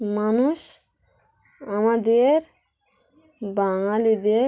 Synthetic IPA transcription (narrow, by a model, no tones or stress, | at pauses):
manuʃ | amad̪eɾ | baŋaled̪e